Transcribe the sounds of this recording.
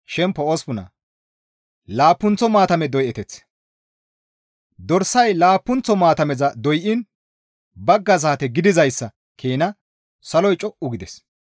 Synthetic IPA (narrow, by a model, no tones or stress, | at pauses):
ʃɛmpːɔospʊnɐ̰ | laːpːʊnt͡sɔmaːt̪ɐmɛd̪ɔjʔɛt̪ɛt͡s | d̪ɔɾsɐjlaːpːʊnt͡sɔmaːt̪ɐmɛzɐd̪ɔjʔɪn | bɐɡːɐzaːt̪ɛɡɪd̪ɪzɐjsːɐ | kʰeːnɐ | sɐlɔjt͡ʃʼɔʔʊɡɪd̪ɛs